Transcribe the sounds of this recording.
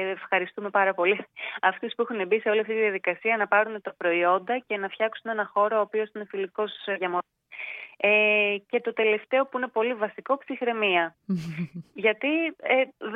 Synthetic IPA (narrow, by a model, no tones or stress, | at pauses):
efxɐɾist̪ume̞pɐɾɐpo̞liɐft̪espuexune̞biseo̞liɐft̪it̪iðiɐðikɐsiɐnɐpɐɾunet̪ɐpɾo̞io̞nd̪ɐce̞nɐfçɐksune̞nɐxo̞ɾoːpio̞sine̞filiko̞sʝɐmo | ece̞t̪o̞t̪e̞le̞ft̪e̞o̞puine̞po̞livɐsiko̞psixɾe̞miɐ | ʝɐt̪ie